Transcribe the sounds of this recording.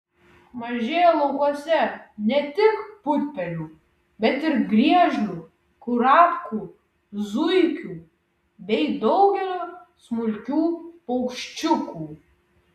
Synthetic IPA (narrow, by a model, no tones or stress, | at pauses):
mɐʒʲeːjolˠɔʊkuɔsʲɛnʲɛt̪ʲɪkpʊtʲpʲɛlʲuː | bʲɛt̪ɪɾɡɾʲiɛʒʲlʲuː | kʊɾɑːpkuː | zʊɪkʲuː | bʲɛɪd̪ɒʊɡʲɛlʲoːsmʊlʲkʲuːpɐʊkʃʲt͡ʃʲʊkuː